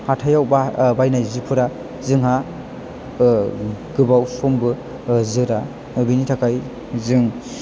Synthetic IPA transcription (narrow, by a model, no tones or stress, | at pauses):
hatʰajawbabajnajzipʰɯɾa | zɯŋɦa | ɡɯbawsɔmbɯ | zɯɾa | binitʰakʰaj | zɯŋ